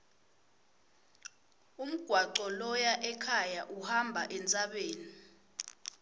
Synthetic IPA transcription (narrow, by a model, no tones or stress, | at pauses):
um̩ɡ̥ʱwaǃɔlɔjaʔɛkʰajaʔuhambʱaʔɛnt͡sʼaɓeːni